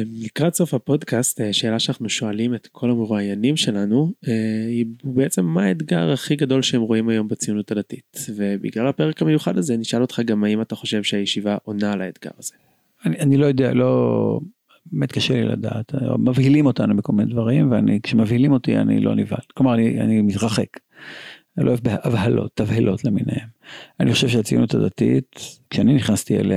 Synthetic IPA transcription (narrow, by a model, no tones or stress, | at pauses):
nikʁatso̞fhapo̞dkast̪eʃe̞ːlaʃeanaχnuʃo̞alimet̪kʰo̞lameʁuajanimʃe̞lanueibeet͡se̞mːaetɡa̰ʁaχiɡado̞lʃehemʁoimajo̞mbet͡sijunutadatitve̞bḭɡlalapeʁekamejuχadazeniʃʔalo̞t̪χaɡamaimat̪aχo̞ʃe̞vʃeajeʃivaʔo̞nalaet̪ɡa̰ʁaz̥e̞ | anianilojo̞d̪ea̰lo̞ | bemet̪kaʃelḭla̰da̰ːt̪o̰mavhilimo̞tanubekolminedvaʁimveanikʃemavhilimo̞tia̰nḭlo̞̰niva̰lklomaʁania̰nimitʁaχe̞k | loebeʔavhalo̞̰t̪ːavhelʔo̞tleminehemaniχo̞ʃe̞vʃeat͡sijunutad̪atḭtkʃeaniniχnast̪iḛlea